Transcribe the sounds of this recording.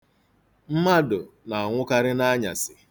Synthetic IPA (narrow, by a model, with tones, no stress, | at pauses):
m̩˦ma˦dʊ˨na˨a˨ŋʷʊ˦ka˦ɾɪ˦na˦ɲa̰˨sɪ˨